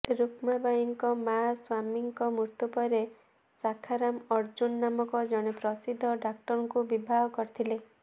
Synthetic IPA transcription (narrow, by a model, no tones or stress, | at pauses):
ɾukmabajiŋkɔmaswamiŋkɔmuɾt̪upɔɾe | sakʰaɾamɔɾd͡ʒunːamɔkɔd͡ʒɔɽ̃epɾɔsid̪ʱːɔɖak̚ʈɔɾɔŋkubibʱaɦɔkɔɾit̪ʰile